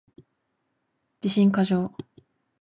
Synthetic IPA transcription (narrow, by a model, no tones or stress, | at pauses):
d͡ʑ̥iɕĩŋkaʑo̞ː